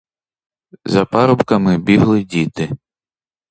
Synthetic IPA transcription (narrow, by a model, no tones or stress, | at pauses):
zɐpɑɾɔpkɐmɪbʲiɦlˠɪdʲit̪ɪ